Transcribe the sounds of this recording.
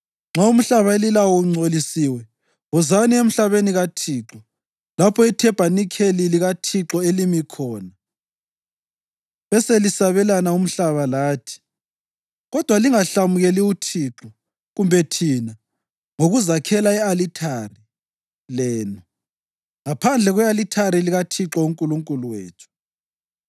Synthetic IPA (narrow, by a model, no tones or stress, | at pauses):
ŋ͡ǁʱaum̩ɬaβaelilawɔŋ͡ǀʱolisiwɛ | ɔzaniem̩ɬaβeniɣatʰiːǁɔ | lapʰɔitʰɛb̥ʱanikʰeliliɣatʰiǁɔelimikʰɔːna | βɛselisaβɛlanaum̩ɬaβalaːtʰi̥ | ɣɔd̥ʱwaliŋaɬamuɣɛliutʰiːǁɔ | ɣumbʱɛtʰiːna | ŋoɣuzakʰɛlaɛalitʰari | lɛːnɔ | ŋapʰand͡ɮʱɛɣwɛalitʰaɾiliɣatʰiǁɔuŋkʼuluŋkʼuluwḛːt͡ʃʰu̥